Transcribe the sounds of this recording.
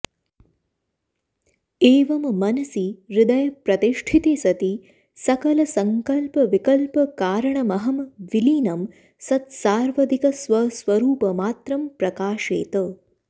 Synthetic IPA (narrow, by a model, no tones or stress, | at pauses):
eːʋɐmːɐnɐsiɾɪd̪ɐjɐpɾɐt̪iʂʈʰit̪eːsɐt̪i | sɐkɐlɐsɐŋkɐlpɐʋikɐlpɐkaːɾɐɳɐmɐɦɐmʋiliːnɐm | sɐt̪saːɾʋɐd̪ʱikɐsʋɐsʋɐɾuːpɐmaːt̪ɾɐmpɾɐkaːʃeːt̪əː